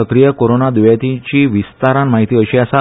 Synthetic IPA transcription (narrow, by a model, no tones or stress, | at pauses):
əkɾijəkoɾonad̪uʋjat̪it͡ɕiːʋist̪aɾãnmaɦit̪iəɕiəsa